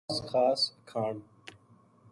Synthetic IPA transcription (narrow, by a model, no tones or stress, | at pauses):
sxaːskʰaːɳ